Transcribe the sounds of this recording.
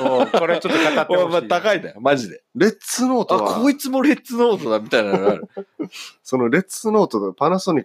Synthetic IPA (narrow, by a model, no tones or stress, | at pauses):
koɾet͡ɕot̪ːkːaat̪emat̪akaid̪ajomaʑid̪e̞ɾe̞t͡sɨno̞ːt̪aβakʰoːit͡sɨmo̞ɾe̞t͡sɨno̞ːt̪o̞d̪amʲit̪ainaɡaɾɯ̟ | so̞noɾe̞t͡sɨno̞ːt̪od̪panasoɲ̟i